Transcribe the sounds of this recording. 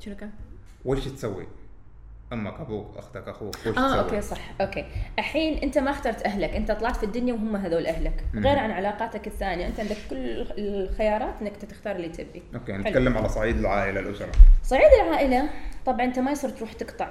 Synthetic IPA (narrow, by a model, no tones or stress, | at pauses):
ɾka | weːʃt̪sawːḭ | ʔamːakabuːʔa̰xt̪akʔaxuːweʃʔaːʔoːkːeːsˤɑħːʔoːkːeːʔaħiːnʔɪnt̪amaxt̪ɑːɾˤt̪ʔaɦlakʔɪnt̪at̪ˤlɑʕɑt̪fid̪ːʊnjawɦʊmːaɦaðoːlʔahlakɣeːɾʕanʕalɑːqɑːt̪akɪθːaːnijaʔɪnt̪aʕɪnd̪akkːʊlː | xɪjɑːɾˤɑːt̪ʔɪnːakʔnt̪ːat̪ɪxt̪ɑːɾˤɪlːit̪ʰɪbʔiʔokentːkalːɪmʕalasˤɑʕiːd̪ɪlʕaːʔɪlalʔʊsɑɾˤɑ̰sˤɑʕiːd̪ɪlʕaːʔɪlat̪ˤɑbʕɑnʔɪnt̪amajsˤɨɾt̪ɾuːħt̪ɪqt̪ɑʕ